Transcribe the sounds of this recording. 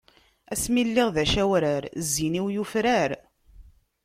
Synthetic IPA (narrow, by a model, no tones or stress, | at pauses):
æsmilːiʁðæʃæwɾaɾzːiniwjufɾaɾ